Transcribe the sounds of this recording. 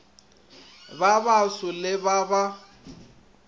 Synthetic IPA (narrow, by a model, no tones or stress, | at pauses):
baβasʊlɪβaba